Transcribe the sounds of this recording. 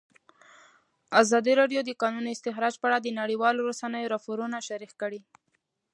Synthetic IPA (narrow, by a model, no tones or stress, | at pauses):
azɑd̪iɾɑɖjod̪əkɑnunoɪst̪ɪxɾɑd͡ʒpəaɽad̪ənaɽiwɑloɾasanəjoɾɑpoɾunaʃaɾikkəɽi